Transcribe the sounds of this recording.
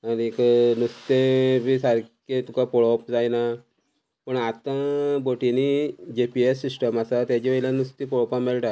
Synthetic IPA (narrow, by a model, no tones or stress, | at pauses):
anieknust̪ebisaɾket̪ukapɔɭɔpd͡zajna | pəɳat̪ãboʈinid͡ʑepiesːisʈəmasat̪jat͡ɕiʋejlanust̪ipɔɭɔpãmeɭʈa